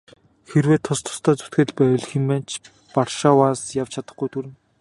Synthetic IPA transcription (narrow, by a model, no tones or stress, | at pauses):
xerweːt̪ʰːʊst̪ʰʊ̥st̪ʰɔːt͡su̥t̪ɡɘ̆ɮpæʊ̆ɮximːæːnt͡ɕ | parʃaːwaːnsjaw̥t͡ɕʰat̪ə̆χɡujt̪ʰuɾɘ̆n